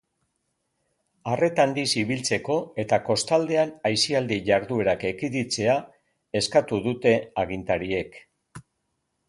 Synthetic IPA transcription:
are̞t̪and̪isiβilt͡se̞ko̞e̞t̪ako̞st̪ald̪e̞anajsiald̪iʝaɾðue̞ɾake̞kiðit͡se̞a | e̞skat̪uðut̪e̞aɣ̞int̪aɾie̞k

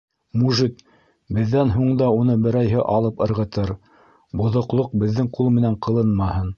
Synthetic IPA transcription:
muʒit̪̚ | bɘ̆ðːænɦuɴd̪ɑunɤbɘ̆ɾæjɦɘʔɑlˠɤpɤ̆ɾʁɤ̆t̪ɤɾ | bŏðŏqlˠoq̚bɘ̆ðːɘŋqulˠmɘ̆næɴqɤ̆lˠɤnmɑhɤn

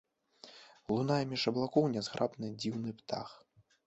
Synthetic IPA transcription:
lˠunajɐmʲiʂɐblˠakɔwnʲɛzɣɾʔapnɨd͡zʲiwnɨpt̪a̰x

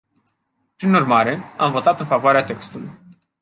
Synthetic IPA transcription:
pɾinurmaɾe̞amvo̞t̪at̪ɨnfavoaɾeat̪e̞kst̪uluj

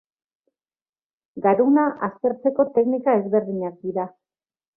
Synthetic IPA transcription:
ɡaɾunaʔast̪e̞ɾt͡se̞ko̞t̪e̞knikae̞zβe̞ɾðiɲak̚d̪iɾa

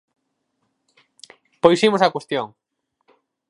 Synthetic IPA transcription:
pojsimʊsakwest̪joŋ

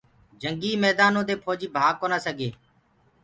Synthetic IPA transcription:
d͡ʒəŋɡiːmɛːd̪aːnõːd̪eːpʰoːd͡ʒiːbʱaːɡ̚kːoːnaːsəɡeː

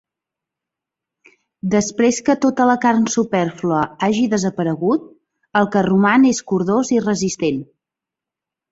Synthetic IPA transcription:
d̪əspɾeskət̪ot̪ələkarnsupɛrfluəaʒiðəzəpəɾəɣut̪̚ | əlˠkərumaneskuɾðozirəzist̪en

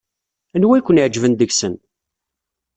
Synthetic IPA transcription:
ænwækʷːənʕd͡ʒvənd̪əɡsən

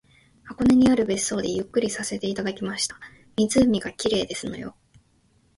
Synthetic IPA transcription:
hako̞ne̞ɲ̟iaɾɯ̟be̞sːo̞ːd̪e̞jɯ̟kːɯ̟ɾʲisase̞t̪e̞it̪ad̪akʲimaɕi̥t̪ḁ | mʲizɨmʲiɡakʲiɾe̞ːd̪e̞sɨno̞̰jo̞̰

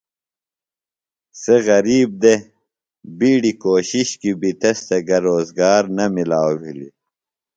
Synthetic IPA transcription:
seɣɐɾiːb̚d̪e | biːɽikoːɕiɕkibit̪ɐst̪ɐɡɐɾoːzɡaːɾnɐmilaːwwḭlḭ

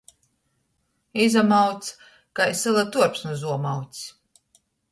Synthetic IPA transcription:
izamawt̪s | kajsɨlˠat̪uɔɾpsnuzuɔmawt̪sʲ

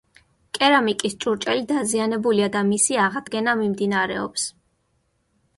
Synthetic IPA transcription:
kʼɛɾamikʼist͡ʃʼuɾt͡ʃʼɛlid̪azianɛbuliad̪amisiaʁad̪ɡɛnamimd̪inaɾɛɔ̰ps

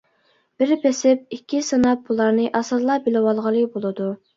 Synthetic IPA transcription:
b̥ɪɾbesɪp̚ikʲʰːisɨnɑp̚bulˠɑɾnɨʔɑsɨɾlˠɑbɪlɪwɑlˠʁəlˠɨbolˠɨd̪u

